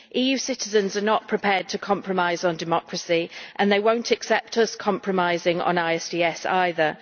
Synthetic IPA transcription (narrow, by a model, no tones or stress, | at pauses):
ʔiːjʉːsɪtɪzə̃nzənəʔpʰɹ̥ɪpʰɛːd̚tʰəkʰɒ̃mpʰɹəmaɪzn̩dɪmɒkʰɹəsiʔə̃nðeɪwə̃ʊ̃ntʰəksɛp̚tʰʌskʰɒ̃mpʰɹəmaɪzɪ̃ŋə̰̃naɪɛsd̥iːɛsa̰ɪðə